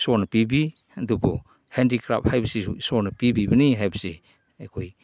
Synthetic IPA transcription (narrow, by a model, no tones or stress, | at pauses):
sɔɾnɐpibi | dubɔ | hendikɾa̰p̚hajbɐseusɔɾnɐpibibaniɦajbɐse | ekʰoj